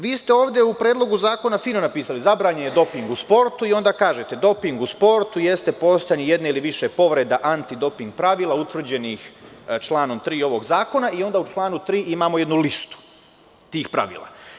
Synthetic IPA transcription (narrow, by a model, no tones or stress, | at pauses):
ʋiːst̪eo̞ːʋd̪ʲjeupɾeːd̪lˠo̞ɡuzaːko̞nafiːnonapiːsalizabɾaːɲenjed̪o̞piŋɡuspo̞ɾt̪uio̞nd̪aːkaːʒe̞t̪e̞d̪o̞piŋɡuspo̞ɾt̪uje̞st̪e̞po̞st̪anije̞d̪neiliʋiʃe̞po̞ʋɾe̞d̪aʔant̪id̪o̞piŋɡ̚pɾaʋiːlˠaut̪ʋr̩d͡ʑe̞nixt͡ʃlˠaːno̞mt̪ɾiːo̞ʋo̞ɡzaːko̞naʔio̞nd̪aːut͡ʃlˠaːnut̪ɾiːʔimaːmoje̞d̪nulist̪u̥ | t̪iːxpɾa̰ʋḭːlˠa̰